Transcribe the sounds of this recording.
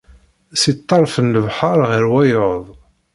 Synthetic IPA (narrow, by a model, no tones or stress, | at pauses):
sit̪ˤːɑɾˤfənːəvħɑɾˤʁəɾwæjoðˤ